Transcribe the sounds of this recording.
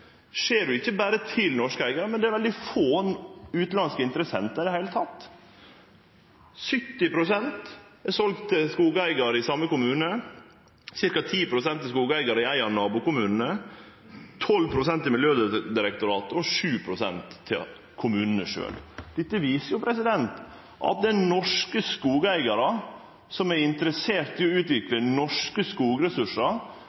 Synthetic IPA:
ʂeːɖʉɪçːəbæːɾət̪ʰɪlnɔʂkəæɪɡɑɾəmɛnd̪ɛæɾʋɛld̪ɪfoːnʉːt̪lɑnskəɪnt̪ɾəsɛnt̪əɪd̪ɛhæɪlət̪ʰɑt̪ː | sʏt̪ːɪpɾʊsɛnt̪ɛsɔlkt̪ʰːɪskuːɡəæɪɡɑɾɪsɑmːəkʊmʉːnə | sɪɾkɑt̪ʰiːpʰɾʊsɛnt̪ːɪlskuːɡəæɪɡɑɾəɪæɪɑɾnɑːbʊkʊmʉːnn̩ə | t̪ʰɔlpʰɾʊsɛnt̪ːɪlmɪljøːd̪d̪ɪɾɛk̚t̪ʊɾɑːt̪əɔʂʉːpʰɾʊsɛ̰nt̪ʰːɪ̰ | kʰʊmʉːnn̩əʂø̰ːld̪̥ɪt̪ːəʋiːsəjʊpʰɾɛsɪd̪ɛnt̪ | ʔɑ̰t̪̚d̪ɛnɔʂkəskuːɡəæɪɡɑɾɑ | sɔmæɪnt̪əɾəseːɾt̪ːɪɔʉːt̪ʋɪklənɔʂkəskuːɡɾɛsʉʂɑ

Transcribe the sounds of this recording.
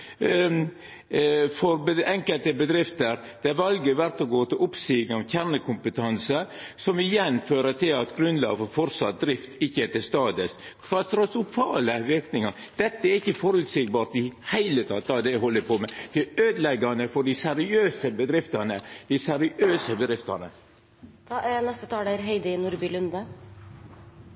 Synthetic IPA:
fɔɾbəɛŋkəlt̪əbəd̪ɾɪft̪əɾ | d̪̥ɛæɾʋɑlɡəʋæɾt̪ɔɡoːt̪ɪlʊpsiːɡnəɑʋçæɾɳəkʰʊmpət̪ʰɑnsə | sɔmɪjɛnːføːɾəʈ̪ɪlɑt̪ɡɾʉnd̪lɑ̰ːɡəfɔɾfɔɾsɑ̰t̪̚d̪ɾɪft̪ɪçːəɛt̪ɪst̪ɑːd̪əs | kʰɾɑt̪ɾɑsʊfɑːləʋɪɾknɪŋɑɾ | d̪̥ɛt̪ːəæɾɪçːəfɔɾʉːt̪sɪɡ̚bɑːɾt̪ɪhæɪlət̪ʰɑ̰ːt̪̚d̪ɑd̪ɛɦɔlːəpʰomɛd̪̥ɪøːd̪lɛɡːɑnəfɔɖɪsɛɾɪøːsəbəd̪ɾɪft̪ɑnəd̪̥ɪsæɾɪʔøːsəbəd̪ɾɪft̪ɑnə̰ | nɛst̪ət̪ʰɑːææɾɦɛɪd̪əɪnʊɾbɪlʉnd̪ə

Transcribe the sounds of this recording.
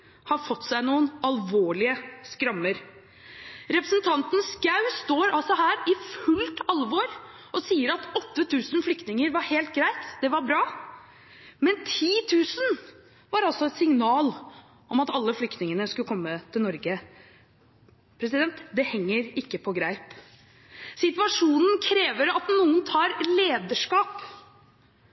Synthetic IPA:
hɑɾfɔt̪ːsæɪnuːənɑlʋoːɭɪəskɾɑmːəɾ | ɾɛpɾəsnt̪ʰɑnt̪ən̩sɡɑʉst̪oːɾɑlsɔhæːɾɪfʉlt̪ɑlʋɔɾ | ʔɔsiːəɾɑt̪ɔt̪ːət̪ʰʉːsnflʏkt̪nɪŋəɾʋɑɾheːlt̪ɡɾæɪt̪d̪̥ɛʋɑɾbɾɑː | mɛnt̪ʰiːt̪ʰʉːsən | ʋɑɾɑlsɔɛt̪sɪŋnɑːl | ʔɔmɑt̪ɑlːəflʏkt̪nɪŋənəskʉkʰɔmːət̪ʰɪlnɔɾɡə | pʰɾɛsɪd̪ɛnt̪d̪ɛhɛŋːəɾɪkːəpʰɔɡɾæɪp | sɪt̪ʋɑʂuːnən̩kʰɾeːʋəɾɑt̪nuːənt̪ʰɑːɾleːd̪əʂkɑːp

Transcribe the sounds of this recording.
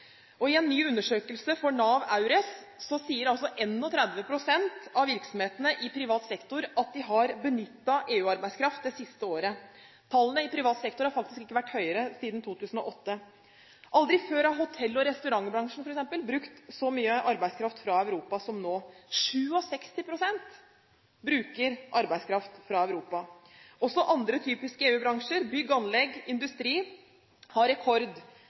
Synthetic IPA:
ɔɪɛnːyːʉnːəʂøːkəlsəfɔɳɑːʋɑʉɾɛsːɔsiːəɾɑlsɔʔɛnːɔt̪ʰɾæd̪ʋəpʰɾʊsɛnt̪ɑʋʋɪɾksɔm̩heːt̪ənəʔɪpʰɾɪʋɑːt̪sɛkt̪ʊɾɑt̪̚d̪ɪɦɑɾbənʏt̪ːɑʔeːʉːɑɾbæɪskʰɾɑft̪̚d̪ɛsɪst̪əoːɾə | t̪ʰɑlːənəɪpʰɾɪʋɑːt̪sɛkt̪ʊɾhɑɾfɑk̚t̪ɪskɪkːəʋæʈːhœʏəɾəsiːd̪n̩t̪ʰuːt̪ʉːsən̩ɔ̰ʔɔt̪ːə | ʔɑld̪ɾɪføːɾɑɦʊt̪ʰɛlːɔɾɛst̪ʉɾɑŋːbɾɑŋʂn̩fɔɾɛksɛmpəlbɾʉkt̪sɔmyːəʔɑɾbæɪskʰɾɑft̪fɾɑœʉɾuːpɑsɔmnoːʂʉːɔsɛkst̪ɪpʰɾʊsɛnt̪ | bɾʉːkəɾʔɑɾbæɪskʰɾɑft̪fɾɑœʉɾuːpɑɔsɔʔɑnd̪ɾət̪ʰyːpɪskəeːʉːbɾɑŋʂəɾbʏɡːɑnlɛɡɪnd̪ʉst̪ɾiː | hɑɾɛkʰɔɾd̪

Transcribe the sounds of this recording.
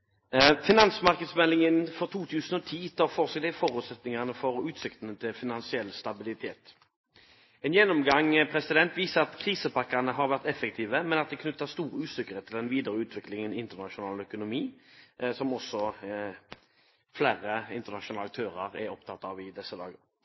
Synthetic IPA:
fɪnɑnsmɑʁkəd̪smɛlɪŋənfɔʁt̪ʰuːt̪ʰʉːsənɔt̪ʰiːt̪ʰɑfɔʁsɛkd̪ɪfɔʁʉːt̪sɛt̪nɪŋəʁnəfɔɾʉːt̪sɪkt̪ənət̪ʰɪlfɪnɑnsɪɛlːst̪ɑbɪlɪt̪ʰeːt̪ | ɛːnjɛnɔmɡɑŋpʰʁɛsɪd̪ɛnt̪ʋiːsəʁɑt̪kʰʁiːsəpɑkːəʁnəɦɑʁʋæʁt̪ɛfəkt̪ʰiːʋəmɛnɑt̪̚d̪ɛkʰnʉt̪ːəst̪uːʁəʉːsɪkːəʁɾɛːt̪ʰːɪld̪ɛnʋiːd̪əɾəʉːt̪ʰʋɪklɪŋənɪnt̪əʁnɑʃʊnɑːlœkʊnʊmiːsɔmɔsɔ | flæːɾəɪnt̪əʁnɑʃʊnɑːlɑk̚t̪ʰøːʁəɾɛɾɔpt̪ʰɑt̪ːɑʋɪd̪ɛsːəd̪ɑ̰ːɡəɾ

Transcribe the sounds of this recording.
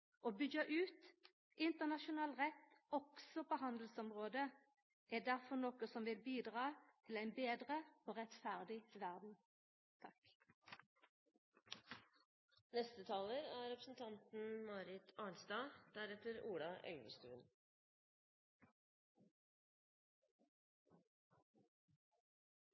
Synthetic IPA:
ʔoːbʏɡɑʔʉːt̪ | ʔɪnt̪əʁnɑʃʊnɑːlʁɛt̪ːɔksɔpʰoːɦɑnd̪l̩sɔmʁoːd̪ə | ʔɛd̪æʁfɔʁnɔkəsɔmʋɪlbiːd̪ʁɑːt̪ʰɪlæɪnbeːd̪ʁəoːʁɛt̪fæʁd̪ɪʋæʁd̪n̩ | t̪ʰɑk | nɛst̪ət̪ʰɑːləɾæːɾɛpɾəsn̩t̪ʰɑnt̪n̩mɑːɾɪt̪ʰɑːɳsd̪ɑːd̪̥æɾɛt̪əɾuːɽɑʔœ̰ʏʋə̰st̪ʉ̰ːn

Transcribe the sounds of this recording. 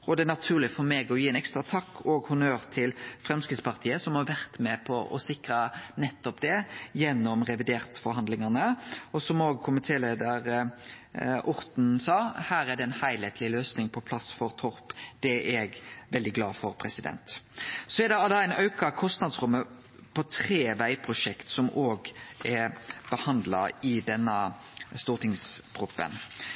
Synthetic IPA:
ɔd̪ɛænɑt̪ʰʉːɾlɪfɔɾmeːɡɔjiːɛːnɛkst̪ɾɑt̪ʰɑkːɔːɡhʊnøːɾt̪ʰɪlfɾɛmskɾɪt̪spɑʁt̪ʰiːəsɔmhɑɾʋæɾt̪mɛpʰɔʔɔ̰sɪkɾɑnɛt̪ːɔpd̪ɛjɛnːɔmɾɛʋɪd̪eːɾt̪fɔɾhɑnd̪lɪŋɑnəɔsɔmoːɡ̚kʰʊmɪt̪ʰeːleːd̪ɑɾ | ʔʊɾt̪n̩sɑːhæːɾæɖ̪ɛɪnhæɪleːt̪ʰlɪløːsnɪŋpʰɔpʰlɑsfɔɾt̪ʰɔɾpd̪̥ɛɛɡʋɛld̪ɪɡlɑːfɔɾpʰɾɛsɪd̪ɛ̰nt̪sɔɛɾd̪ɛd̪ɑæɪnɑʉkɑkʰɔst̪nɑd̪sʁʉmːə | pʰɔt̪ʰɾeːʋæɪpʰɾʊʂɛkt̪sɔmoːɡɛɾb̥əhɑnd̪lɑ̰ɪd̪ɛnːə | st̪uːt̪ɪŋskɾʊpːə̰n

